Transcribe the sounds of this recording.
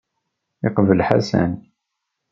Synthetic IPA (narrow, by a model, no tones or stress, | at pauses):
ɪqvəlħasæ̰n